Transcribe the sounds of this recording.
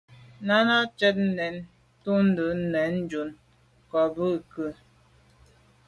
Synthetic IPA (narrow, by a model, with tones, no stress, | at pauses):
na˦na˦t͡ʃɛ˦t̚n̩˦nɛ˨˦n | tu˦n̩˦də˨˦n̩˦nɛ˨˦n˦d͡ʒu˨n | kɔ˨bə˦˨kə˦˨